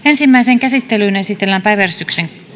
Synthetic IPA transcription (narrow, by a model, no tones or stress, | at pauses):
e̞nsimːæjseŋkæsit̪ːelyːne̞sit̪elːæmpæjʋærist̪ykseŋ